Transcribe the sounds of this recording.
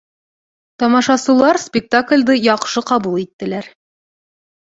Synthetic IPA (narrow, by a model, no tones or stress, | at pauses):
t̪ɒmɑʃɑsulˠɑɾspʲɪk̚t̪aklʲd̪ɤjɒqʃɤqɒbulˠit̪ːɘ̆læɾ